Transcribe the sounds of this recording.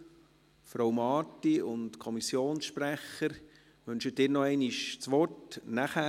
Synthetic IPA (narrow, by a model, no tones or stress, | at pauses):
fɾowmɑːtiʊntkʰɔmisjoːnsʃpræχəɾ | ʋʏnʃədɪːɾnɔɛɪniʃt͡sʋɔtnæχæː